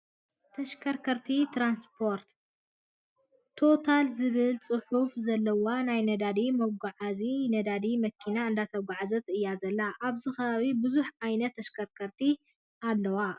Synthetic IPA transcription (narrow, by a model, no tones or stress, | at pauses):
t̪ʰɐʃkʰɐɾkʰɐɾt̪ʰit̪ʰɾanspʰo̞ɾt̪ | o̞t̪ʰalzɨβɨlt͡sʼɨħufzɐlːɐwanajnɐd̪ad̪imɐɡʷaʕazinɐd̪ad̪imɐkʰinaɨnd̪at̪ʰɐɡaʕazɐt̪ʰɨɨjːazɐlːaʔaβzɨxɐβaβibɨzuħʕajnɐt̪ʰːɐʃkʰɐɾkʰɐɾt̪ʰi | alːɐwa